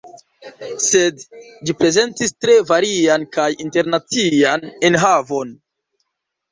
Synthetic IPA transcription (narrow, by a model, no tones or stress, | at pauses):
se̞dd͡ʒipɾe̞ze̞ntistɾe̞vaɾiankajinte̞ɾnat͡sianenɦavo̞n